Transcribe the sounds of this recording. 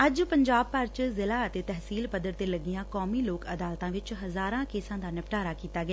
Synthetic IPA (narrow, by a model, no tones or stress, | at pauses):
əd͡ʒpəɲd͡ʒaːb̚pəɾt͡ʃzɪlaːət̪eːt̪ɛɦsiːlpəd̪əɾt̪eːləɡɪjãːkɔːmiːloːkəd̪aːlt̪ãːʋɪt͡ʃɦəzaːɾãːkeːsãːd̪aːnɪpʈaːɾaːkiːt̪aːɡɪaː